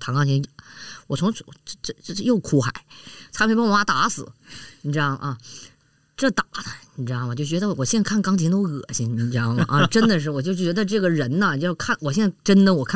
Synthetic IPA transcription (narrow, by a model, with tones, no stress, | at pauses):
t̪ʰɑ˧˥ŋkɑ˥ŋt͡ɕʰɛ˧˥nwɔ˨˩t͡sʰʊ˧˥ŋ˩˥˩ʈ͡ʂʂjo˥˩ʊkʰu˥xa̰˨˩˦ɪt͡s̪ʰa˧˥me˥ɪpwɔ˧˥ma˧˥t̪a˧˥sɹ̩˨˩˦ni˧˥ʈ͡ʂɻ̩˥jɑ˥˩ŋʔɐ˧ | ʈ͡ʂɤ˥˩t̪a˨˩d̪ə˧ni˨˧˥ʈ͡ʂɻ̩˥jɑ˥˩ŋwɔ˨˩t͡ɕjo˥˩ʊt͡ɕɥɛ˧˥d̪ə˧wɔ˨˩ɕjɛ˥n˥kʰa˥˩n˧kɑ˥ŋt͡ɕʰi˧˥t̪o˥ʊɣɤ̰˨˩˦ɕi˧˥ŋi˧˩ʈ͡ʂɻ̩˥ɑ˥˩ŋ˨˩ʔɐ˥˧ʈ͡ʂə˥nnd̪ə˨ʂ̬ɻ̩˥˩wɔ˨˩t͡ɕjo˥˩ʊt͡ɕɥɛ˧˥d̪ə˧ʈ͡ʂɤ˥˩ɡə˩ɻə˧˥nə˧t͡ɕo˥˧ʂkʰa˥˩nwɔ˨˩ɕjɛ˥˧nt͡sʈ͡ʂə˥nd̪ə˨wɔ˨˩kʰa˥